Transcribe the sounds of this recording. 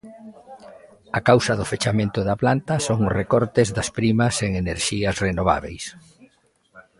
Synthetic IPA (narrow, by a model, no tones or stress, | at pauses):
akawsɐðʊfet͡ʃamẽnt̪ʊðaplant̪ɐsoŋrekɔɾt̪ezðɐspɾimɐseŋeneɾʃiɐsrenoβ̞a̰βḛjs